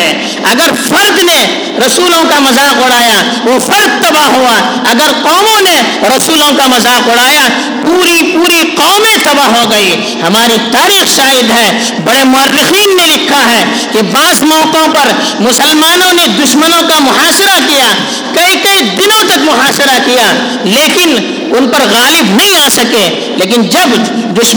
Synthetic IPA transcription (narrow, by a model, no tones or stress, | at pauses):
ɐɡəɾfɐɾd̪ne | ɾɐsuːlõkamɐzaːqʊɽaːja | ʋofʰɐɾd̪̚t̪ɐbaɦua | ɐɡəɾqɔːmõne | ɾɐsuːlõkamɐzaːqʊɽaːja | puːɾipuːɾiqɔːmẽt̪ɐbaɦoɡɐi | hɐmaːɾit̪aːɾiːxʃaːɦɪd̪ɦɛː | bɐɽemʊɐrːɪxiːnːelɪkʰːaɦɛː | kebaːzmɔːkõpɐɾ | mʊsəlmaːnõned̪ʊʃmənõkamʊɦaːsɪɾakija | kɐikɐid̪ɪnõt̪ɐkmʊɦaːsɪɾakija | leːkɪn | ʊnpɐɾɣaːlɪbnɐɦĩaːsɐke | leːkɪnd͡ʒɐb | d̪ʊʃ